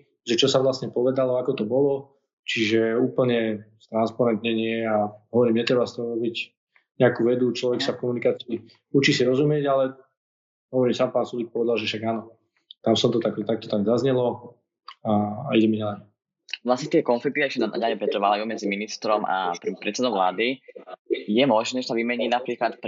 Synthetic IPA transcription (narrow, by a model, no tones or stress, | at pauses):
ʒɛt͡ʃɔsaʋlasɲɛpɔʋɛd̪alɔakɔt̪ɔbɔlɔ | t͡ʃiʒɛuːpl̩ɲɛst̪ɾanspaɾɛnt̪ɲɛɲɪɛaɦɔʋɔɾiːmɲɛt̪ɾɛbast̪ɔɦɔɾɔbic | ɲɛakuːʋɛd̪ut͡ʃlɔʋɛksafkɔmunikaːt͡siː | ut͡ʃisiɾɔzumɪɛɟalɛ | ɦɔʋɔɾiːmsaːmpaːnsulik̚pɔʋɛd̪alˠʒɛfʃaɡaːnɔ | t̪amsɔmt̪ɔt̪ak̪t̪ak̚t̪ɔ̥t̪aɡzazɲɛlɔ | aːiɟɛmiɲɛlɛ | ʋlasɲɛt̪ɪɛkɔnflik̚t̪iaɛʃcɛna̰ɲaɲɛpɾɛt̪ɾʋalajuːmɛd͡ziminist̪ɾɔma̰ɾpɾɛt̪sɛd̪ɔʊʋla̰ːd̪i | jɛmɔʒnɛʒɛsaʋimɛɲiːnapɾiːklat̪p